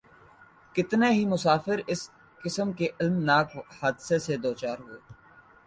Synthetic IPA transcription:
kɪt̪neɦimʊsaːfɪɾɪs | kɪsəmkeʔɪlmnaːkhaːd̪sesed̪oːt͡ʃaːɾɦʊeː

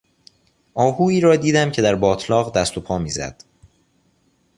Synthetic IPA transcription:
ʔɒːhuːiːɾɒːd̪iːd̪æmcʰe̞d̪æɾbɒːt̪ʰlɒːɣd̪æst̪o̞pʰɒːmiːzæ̰d̪̥

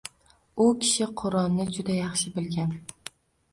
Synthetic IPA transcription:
ʊkʲʰɪ̥ʃɪqʰʊɾɒnːɪd͡ʒʊd̪ajɑχʃɪbɪlɡʲan

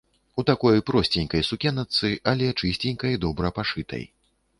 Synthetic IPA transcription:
ut̪akɔjpɾɔsʲt͡sʲɛnʲkɐjsukʲɛnɐt̪sɨʔɐlʲɛt͡ʂɨsʲt͡sʲenʲkɐjd̪ɔbɾɐpaʂɨt̪ʰɐ̰j

